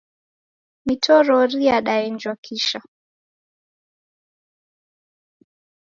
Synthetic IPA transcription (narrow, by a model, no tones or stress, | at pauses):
mitʰɔɾɔɾiaɗaɛnd͡ʒwakʰiʃa